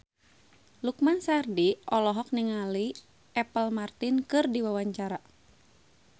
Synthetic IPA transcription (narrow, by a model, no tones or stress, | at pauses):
lukmansardiʔɔlɔɦɔk̚niŋali | ɛpəlmart̪inkɨrdiwawaɲt͡ʃaɾa